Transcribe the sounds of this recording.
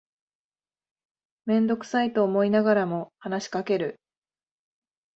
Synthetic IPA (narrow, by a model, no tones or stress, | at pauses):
mẽ̞nd̪o̞kɯ̟̥sait̪o̞ːmo̞inaɡaɾamo̞hanaɕi̥kake̞ɾɯ̟